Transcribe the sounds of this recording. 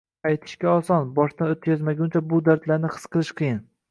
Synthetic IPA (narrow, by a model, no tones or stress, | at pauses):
ajt̪ʰɪ̥ʃkʲaɒsɒnbɒʃt̪anot̪̚kʲʰazmaɡʲʊnt͡ʃʰabʊd̪aɾt̪laɾnɪχɨ̥sqʰɨlˠɪʃqʰɨjɪn